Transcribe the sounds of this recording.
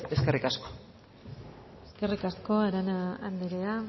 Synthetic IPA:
e̞skerikasko̥ | eske̞rikasko̞aɾanaand̪eɾea

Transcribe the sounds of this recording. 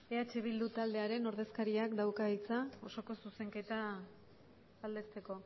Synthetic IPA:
eat͡ʃe̞β̞ild̪ut̪ald̪e̞aɾe̞no̞ɾðe̞skaɾiakd̪awkait͡sao̞so̞ko̞suse̞ŋke̞t̪a | ald̪e̞st̪e̞ko̞

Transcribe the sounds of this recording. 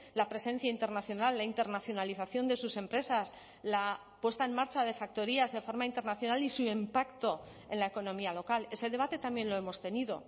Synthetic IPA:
lapɾe̞sẽ̞n̟θjaint̪e̞ɾnaθjo̞nalːaint̪e̞ɾnaθjo̞naliθaθjo̞nd̪e̞suse̞mpɾe̞sas | la | pwe̞st̪ae̞maɾt͡ʃað̞e̞fak̚t̪o̞ɾiazðe̞fo̞ɾmaint̪e̞ɾnaθjo̞nalisuempakt̪o̞ | e̞nlae̞ko̞nõ̞mialo̞kale̞se̞ð̞e̞β̞at̪e̞t̪amje̞nlo̞e̞mo̞st̪e̞niðo̞̰

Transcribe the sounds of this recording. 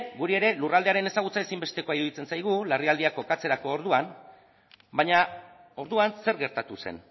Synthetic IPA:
ɡuɾie̞ɾe̞lurald̪e̞aɾe̞ne̞saɣ̞ut͡sae̞simbe̞st̪e̞ko̞aiɾuð̞it͡se̞nsajɣ̞ulariald̪iako̞kat͡se̞ɾako̞ːɾðuan | baɲa | o̞ɾðuanse̞ɾɣe̞ɾt̪at̪use̞̰n

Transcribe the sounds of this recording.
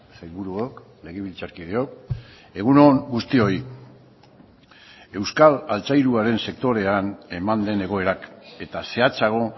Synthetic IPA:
sajβuɾuok | le̞ɣ̞eβ̞ilt͡saɾkiðeo̞k | e̞ɣuno̞ŋɡust̪io̞i | e̞wskalalt͡sajɾuaɾe̞nse̞k̚t̪o̞ɾe̞ane̞mand̪e̞ne̞ɣ̞o̞e̞ɾake̞t̪ase̞at͡saɣ̞o̞

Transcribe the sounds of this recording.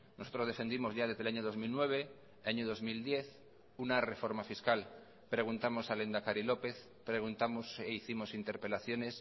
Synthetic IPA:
noso̞t̪ɾo̞zðefe̞nd̪imo̞zʝaðe̞zðeaɲoðo̞zmilnwe̞β̞e̞ | aɲoðo̞zmild̪je̞θ | unare̞fo̞ɾmafiskal | pɾe̞ɣ̞unt̪amo̞sale̞nd̪akaɾilo̞pe̞θ | pɾe̞ɣ̞unt̪amoseiθimo̞sint̪e̞ɾpe̞laθjo̞ne̞s

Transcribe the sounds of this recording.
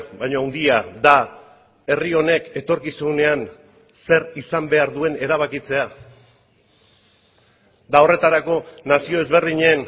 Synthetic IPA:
bajɲoawnd̪iad̪a | e̞rio̞ne̞ke̞t̪o̞ɾkisune̞an | se̞ɾisambe̞aɾðue̞ne̞ɾaβ̞akit͡se̞a | d̪ao̞re̞t̪aɾako̞nasio̞e̞zβe̞ɾðiɲen

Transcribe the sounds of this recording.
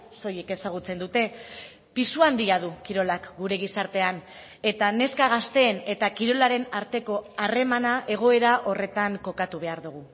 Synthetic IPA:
so̞je̞ke̞saɣ̞ut͡se̞nd̪ut̪e̞ | pisuand̪iaðukiɾo̞lakɡuɾe̞ɣ̞isaɾt̪e̞an | e̞t̪ane̞skaɣ̞ast̪e̞ːne̞t̪akiɾo̞laɾe̞naɾt̪e̞ko̞are̞manaʔe̞ɣ̞o̞e̞ɾaʔo̞re̞t̪aŋko̞kat̪uβ̞e̞aɾðuɣ̞u

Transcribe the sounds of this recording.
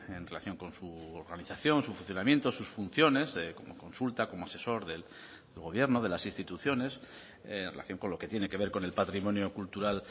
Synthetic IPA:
e̞nre̞laθjo̞ŋko̞nsuoɾɣaniθaθjo̞nsufũnθjo̞namje̞nt̪osusfun̟θjo̞ne̞sko̞mo̞̰ko̞nsult̪ako̞moase̞so̞ɾðel | ðelɣo̞βje̞ɾno̞ðe̞lasinst̪it̪uθjo̞ne̞s | enrela̰θjo̞ŋko̞nlo̞ke̞t̪je̞ne̞keβe̞ɾko̞ne̞lpat̪ɾimõ̞njo̞kult̪uɾal

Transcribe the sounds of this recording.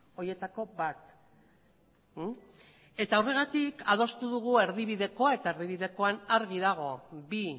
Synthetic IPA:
o̞je̞t̪ako̞bat̪ | e̞t̪awre̞ɣ̞at̪ikað̞o̞st̪uðuɣ̞ue̞ɾðiβiðe̞ko̞ae̞t̪ae̞ɾðiβ̞iðe̞ko̞anaɾɣiðaɣ̞o̞bi

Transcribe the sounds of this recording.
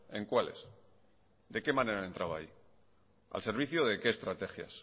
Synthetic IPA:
e̞̰ŋkwale̞̰s | d̪e̞ke̞mãne̞ɾae̞nt̪ɾaβai | a̰lse̞ɾβ̞iθjoðe̞ke̞ːst̪ɾat̪e̞xja̰s

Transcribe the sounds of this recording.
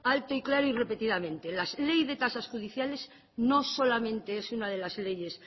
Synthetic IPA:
alt̪oiklaɾoire̞pe̞t̪iðamẽ̞nt̪e̞lalejzðe̞t̪asasxuðiθjale̞z | no̞solamẽnt̪e̞esunað̞elazle̞je̞s

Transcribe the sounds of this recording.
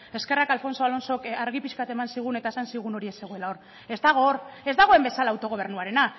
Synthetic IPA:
e̞ske̞rakalfo̞nso̞alo̞nso̞kaɾɣ̞ipiskat̪e̞mansiɣ̞une̞t̪ae̞sansiɣ̞uno̞ɾie̞se̞ɣ̞o̞e̞laor | e̞zd̪aɣo̞re̞zd̪aɣ̞o̞e̞mbe̞salaːwt̪o̞ɣ̞o̞β̞e̞ɾrnuaɾe̞na

